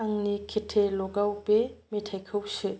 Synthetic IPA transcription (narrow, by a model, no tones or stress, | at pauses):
aŋnikʰitʰelɔɡawpemitʰajkʰɯwsɯ